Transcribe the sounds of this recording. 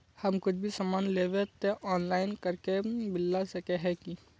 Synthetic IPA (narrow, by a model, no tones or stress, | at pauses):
hɐmkʊt͡ʃʰbʱisamaːnleːʋet̪eʔɔːnlaːɪnkɐɾkebɪlːasɐkeɦɛki